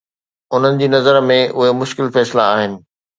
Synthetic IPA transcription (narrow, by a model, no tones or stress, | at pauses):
ʊn̤ənɪ̆d͡ʑiːnɐzəɾmẽʔʊɦemʊʃkɪlfɛːslaaːɦɪnɪ̆